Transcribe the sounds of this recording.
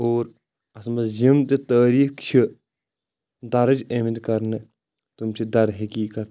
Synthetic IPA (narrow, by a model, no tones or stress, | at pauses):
oːɾ | ɐsmɐd͡ʒimt̪et̪əːɾiːkt͡ʃʰi | d̪ɐɾɐd͡ʒemit̪kɐɾne | t̪umsed̪ɐɾɦikiːkɐt̪̚